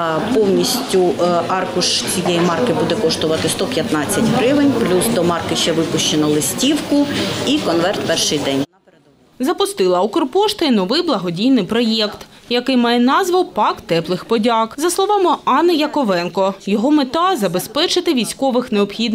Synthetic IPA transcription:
pɔwnʲisʲtʲʊɑrkʊʃt͡sʲijɛjimɑrkɪbud̪ɛkɔʃt̪ɔʋɐt̪ɪst̪ɔpʲjɐt̪nɑt͡sʲːɐtʲɦɾɪʋɪnʲplʲusd̪ɔmɑrkɪʃt͡ʃɛʋɪpʊʃt͡ʃenɐlˠɪsʲtʲiwkʊikɔnʋɛrt̪pɛrʃɪjd̪ɛnʲ | zɐpʊst̪ɪlˠɐɔkɔrpɔʃt̪ɐinɔʋɪjblˠɐɦɔdʲijnɪjpɾɔjɛkt̪jɐkɪjmɑjɛnɑzʋɐwpɑkt̪ɛplˠɪxpɔdʲɑkzɐslˠɔʋɑmɪɑnːɪjɐkɔʋɛnkɔjɔɦɔmet̪ɑzɐbe̞spɛt͡ʃɪt̪ɪʋʲijsʲkɔʋɪxneɔpxʲid̪n

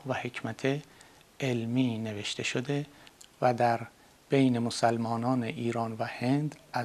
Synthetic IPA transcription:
væhe̞cʰmæt̪ʰe | ʔelmiːne̞ve̞ʃt̪ʰe̞ʃod̪e̞væd̪æɾ | b̥ejne̞mosælmɒːnɒːneʔiːɾɒːnvæhe̞nd̪æ

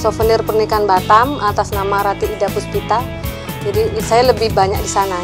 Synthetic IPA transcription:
sofənirpərnikanbat̪amat̪asnamaɾat̪iːdapuspit̪al | d͡ʒadisajaləbɪhbaɲak̚disana

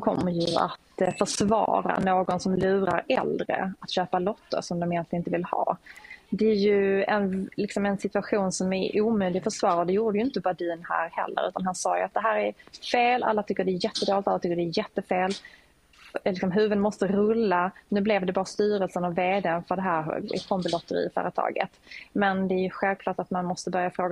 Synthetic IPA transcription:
kʰɔ̰mːəjɵa̰t̪fœʂvɑ̰ːɾa̰noːɡɔnsɔmlʉ̟ːɾa̰ɾɛ̰ld̪ɾə̰at̪ɕøːpalɔt̪ːə̰ɾʂɔmd̪ɔmɪjɛnlɪnɪnt̪əvɪlhɑ̰ːd̪ɛæɾjɵɛnlɪksɔmɛnsɪt̪ʉaɧuːnsɔmæʔuːmʉːlɪɡfœʂvɑːɾad̪ɛjuːɖəjʏɪnt̪əbad̪iːnhæ̰ːɾhɛ̰lːə̰ɾʉ̟ːt̪anɦhansɑːjɵ̰at̪̚d̪ɛɦæːɾæɾfeːlʔa̰lːat̪ʰʏkːəɖɛːjɛt̪ːəd̪oːlɪt̪alːt̪ʏkːəɖɛːjɛt̪ːəfeːl | lɪksɔmɦʉ̟ːvənmɔst̪əɾɵlːanʉ̟ːblɛvd̪ɛbɑːɾast̪yːɾəlsənɔveːd̪ɛnfœd̪ɛɦæːɾɛ̰kʰɔmbɪlɔt̪ːəɾɪ̰fœ̰ːɾət̪ʰɑ̰ːɡə̰t̪mɛnd̪ɛːɾjɵɧɛlvkʰlɑːʈat̪manmɔst̪əbœɾjafɾoːɡ

